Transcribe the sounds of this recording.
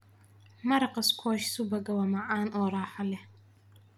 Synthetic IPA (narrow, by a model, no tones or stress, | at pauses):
mɐɾɐqɑskʰɔːʃsubɐɡɐwɐmɐʕaːnɔːɾaːħalɛ